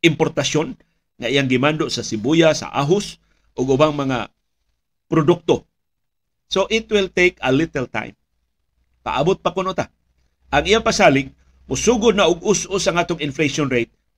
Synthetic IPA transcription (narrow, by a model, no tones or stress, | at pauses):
ʔɪmpoɾt̪asjon | ŋaʔijaŋɡɪmand̪ʊʔsasɪbujasa̰ʔa̰ɦʊs | ʔʊɡʊbaŋmɐŋa̰ | pɾʊd̪ʊk̚t̪o | soʔɪt̪wɪlt̪ejkəlɪt̪ɛlt̪a̰jm | pa̰ʔabʊt̪̚pakʊnot̪a | ʔaŋʔijapasaːlɪk̚ | mʊsuɡʊd̪̚naʔʊɡʊsʔʊsaŋaːt̪ʊŋɪnfleʃonɾejt̪̚